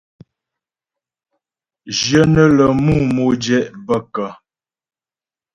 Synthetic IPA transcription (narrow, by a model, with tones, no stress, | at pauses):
d͡ʒjə˦nə˦lə˨mu˦˨mo˨d͡ʒɛ˦ʔbə˦kə˨